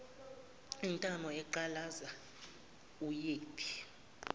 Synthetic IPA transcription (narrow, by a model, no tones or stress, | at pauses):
intʼamɔɛǃalaza | ujeːtʰʼi̥